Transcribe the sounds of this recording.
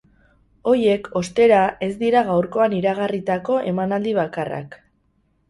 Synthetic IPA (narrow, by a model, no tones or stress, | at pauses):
o̞je̞kʰo̞st̪e̞ɾae̞zd̪iɾaɣawɾko̞aniɾaɣarit̪ako̞ʔe̞manald̪iβ̞akara̰k